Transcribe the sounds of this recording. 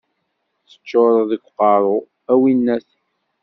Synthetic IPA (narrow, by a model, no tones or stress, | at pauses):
θə̥t͡ʃːoɾˤðəkʷːqɑɾˤo | æwinːæθ